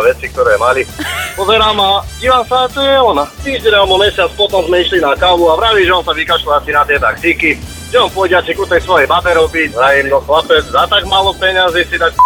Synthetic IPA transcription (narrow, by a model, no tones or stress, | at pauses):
ʋɛt͡sik̚t̪ɔɾɛːmalipɔzɛɾaːmaɟiːʋaːmsat͡ʃɔjɛɔnat̪iːʒɟɛɲalmɔmɛsɪat͡spɔt̪ɔmzmɛiʃlinakaluaʋɾaʋiːʒɛɔnsaʋikaʃlɔasinat̪ɛd̪a̰kɾiki | ʒɛɔnpɔɟɛat͡ʃikut̪ɛjsʋɔjɛbabɛɾɔbicɦɾajimɔxlapɛd͡zzat̪aɡmalɔpɛɲazisit̪ak